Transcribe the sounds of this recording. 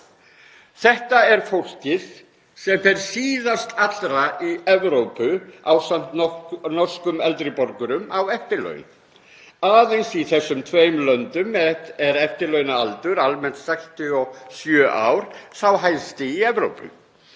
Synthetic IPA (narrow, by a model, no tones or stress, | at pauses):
θɛht̪aɛɾfowl̥cɪð̥ | sɛmfɛɾ̥siːðast̪ʰat̪lɾaiɛvɾowpʏa̰wsan̥t̪nɔr̥skʏmɛlt̪ɾɪpɔɾkʏɾʏmawɛft̪ɪɾlœ̰ɥn | aːðejnsiθɛsːʏmt̪ʰveːjmlœnt̪ʏmɛɛɾɛft̪ɪɾlœɥnaalt̪ʏɾalmɛn̥t̪sɛkst̪ʏɔsjœːʔa̰wɾ̥θawɦajnst̪ɪiɛvɾo̰wpʏ̰